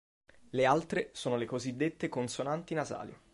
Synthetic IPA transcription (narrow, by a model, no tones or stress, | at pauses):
lealt̪ɾesoːnolekozid̪ːet̪ːekonsonant̪inaza̰ːli